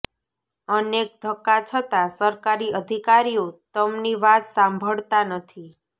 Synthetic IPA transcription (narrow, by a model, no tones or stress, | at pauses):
ənek̚d̪ʱəkːat͡ʃʰət̪asəɾkaɾiəd̪ʱikaɾiot̪əmniʋat̪sãmbʱəɭt̪anət̪ʰi